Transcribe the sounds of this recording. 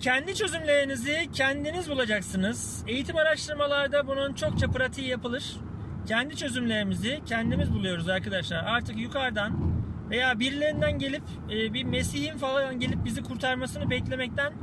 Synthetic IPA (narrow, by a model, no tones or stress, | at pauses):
cʰɛnd̪it͡ʃʰø̞zymlʲe̞ɾinizicʰɛnd̪inizbulˠad͡ʒaksɯnɯz̥ | e̞jit̪ʰimaɾaʃt̪ɯɾmalˠaɾd̪abununt͡ʃʰo̞k̚t͡ʃʰapɯɾat̪ʰɯjjapɯlˠɯɾ̥ | cʰɛnd̪it͡ʃʰø̞zymlʲe̞ɾimizicʰɛnd̪imizbulˠujo̞ɾuzaɾkʰad̪aʃlˠaɾaɾt̪ʰɯkjukʰaɾd̪anve̞jaːbiɾlʲe̞ɾind̪ænɟe̞lʲipː | bime̞sihinfalˠaanɟe̞lʲip̚bizikʰuɾt̪ʰaɾmasɯnɯbɛclʲe̞mɛc̚t̪ʰæn